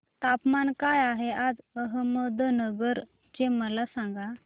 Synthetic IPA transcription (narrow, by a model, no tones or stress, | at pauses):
t̪apmankajaɦead͡zəɦəməd̪ʱənəɡəɾ | t͡ɕeməlasaŋɡa